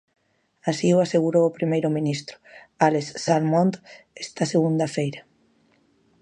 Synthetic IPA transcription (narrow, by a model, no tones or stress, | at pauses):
asiʊaseɣuɾowpɾimejɾʊminist̪ɾʊ̥ | alesːalmont̪ | est̪ɐseɣund̪ɐfejɾɐ